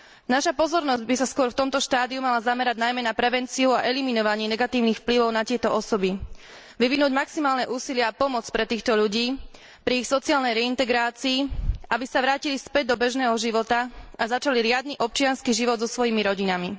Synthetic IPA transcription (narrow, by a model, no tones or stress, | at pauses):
naʃapɔzɔɾnɔzɟbisaskʊɔɾft̪ɔmt̪ɔʃt̪aːd̪iumalazamɛɾaɟnajmɛnapɾɛʋɛnt͡siuaʔɛliminɔʋaɲɪɛnɛɡat̪iːʊnixfpliʋɔʊnat̪ɪɛt̪ɔʔɔsɔbi | ʋiʋinuːɟmaksimaːlnɛʔuːsilɪɛapɔmɔt͡spɾɛt̪iːxt̪ɔʎuɟiː | pɾiːxsɔt͡siaːlnɛjɾɛint̪ɛɡɾaːt͡siːʔabisaʋɾaːcilispɛɟ̚d̪ɔbɛʒnɛːɦɔʒiʋɔt̪aʔazat͡ʃaliɾɪad̪̚niʔɔp̚t͡ʃɪanskiʒiʋɔd̪zɔsʋɔjimiɾɔɟinami